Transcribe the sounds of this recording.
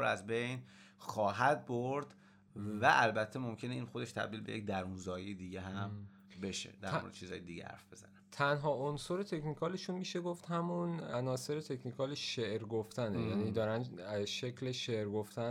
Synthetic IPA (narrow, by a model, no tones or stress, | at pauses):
ɾæzbejn | xɒːɦæd̪̚boɾd̪ | væʔælbæt̪ʰːemomcʰe̞neiːnxo̞d̪e̞ʃt̪ʰæ̰b̚d̪iːlbe̞jec̚d̪æɾunzɒːjijed̪iɟeɦæm | be̞ʃḛd̪æɾo̰ɾḛd̥̪̰t͡ʃizhɒ̰jed̪iɟḛhæ̰ɾfb̥e̞zæ̰net̪ʰænɦɒːʔonsoɾet̪ʰe̞cnikʰɒːleʃunmiːʃeɡoft̪hæmunænɒːse̞ɾet̪ʰe̞cʰnikʰɒːleʃeʔɾɡoft̪ænejæniːd̪ɒːɾænʃecʰleʃeʔɾɡoft̪æn